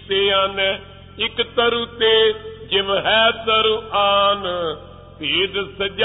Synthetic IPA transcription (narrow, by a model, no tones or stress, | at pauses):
seːan | ɪkt̪əɾuːt̪eːd͡ʒɪmɦɛːt̪əɾuʔaːn | t̪eːd̪səd͡ʒ